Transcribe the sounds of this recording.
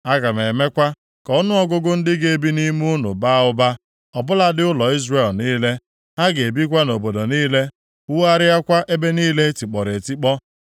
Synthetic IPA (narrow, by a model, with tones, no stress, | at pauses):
a˦ɡa˨me˨me˦kʷa˦ | kɔ˦nʊ˦ɔ˦ɡʊ˦ɡʊ˦n̩˦dɪ˦ɡe˦e˦˨bi˦ni˦mu˦ʊ˦nʊ̰˨ba˦ʊ˦ba˦ | ɔ˨bʊ˦la˦dɪ˦ʊ˦lɔ˨i˦zre˨lniː˦le˦ | a˦ɡe˨bi˦k̬ʷa˦no˨bo˨do˨niː˦le˦ | ʊ˦a˦ɾɪ˦a˦kʷa˦ʔe˦be˦niː˦le˦ti˨k͡pɔ˨ɾe˨ti˦k͡pɔ˦